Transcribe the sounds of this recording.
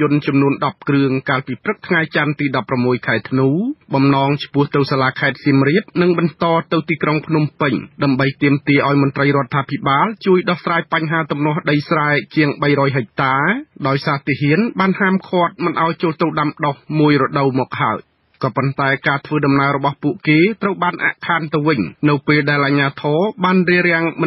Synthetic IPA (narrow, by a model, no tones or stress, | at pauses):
ʊənt͡ɕɑmnuənɗɑp̚krɨəŋkaːlpiːprɨk̚t̪ʰŋajt͡ɕant̪iːɗɑpːramːuəjkʰaɛt̪ʰnuːɓɑmnɑːŋt͡ɕʰpʊ̆əht̪ɨwsaːlaːkʰaɛt̪̚siəmriəp̚nɨŋɓɑnt̪ɑːt̪ɨwt̪iːkroŋpʰnumpɨɲɗaəmɓəjt̪iəmt̪iəʔaɔjmʊnt̪rəjrŏət̪ʰːaːpʰiɓaːlt͡ɕuəjɗɑhsraːjpaɲɦaːt̪umnŏəhɗəjsraɛt͡ɕiəŋɓəjɾɔːjɦɛk̚t̪aːɗaɔjsaːt̪iːɦiənɓaːnhaːmkʰŏət̪̚mɨnʔa̰ɔjt͡ɕoːlt̪uwɗamɗohmuəjrɔɗəwmɔːk̚haəj | kɑːpont̪aɛkaːt̪ʰʋəːɗɑmnaəɾɔɓɑhpuəʔkeːt̪rəwɓaːnʔa̰ʔkʰaːnt̪ɨwʋɨɲnɨwpeːlɗaɛlʔaɲaːt̪ʰɔːɓaːnriəɾɛ̆əŋmɨ